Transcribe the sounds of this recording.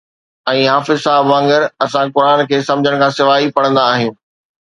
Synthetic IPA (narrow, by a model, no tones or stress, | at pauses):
ɛ̃ːɦaːfɪzsaːɦɪbʋãŋɡəɾɐsãkʊɾaːnkʰeːsɐ̃md͡ʑʱəɽ̃kʰãːsɪʋaːipɐɽ̃ə̃nd̪aːɦijũː